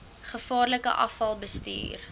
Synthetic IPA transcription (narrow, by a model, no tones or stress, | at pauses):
χəfɑːrləkə̰ʔɐ̰fɐlˠbəsty̰ːr